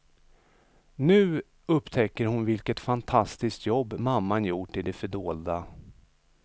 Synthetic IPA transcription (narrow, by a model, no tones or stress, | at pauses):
nʉ̟ː | ɵpːt̪ʰɛkːəɾhʊnvɪlkət̪fant̪ʰast̪ɪskt̪jɔbːmamːanjuːʈːɪd̪ɛfœɖoːld̪a